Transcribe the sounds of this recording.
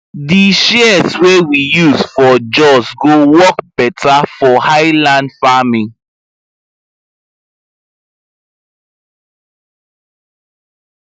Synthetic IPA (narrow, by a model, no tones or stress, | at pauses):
diʃeswewijuzfɔd͡ʒɔsɡowɔkbɛtafɔhaɪlãndfamĩ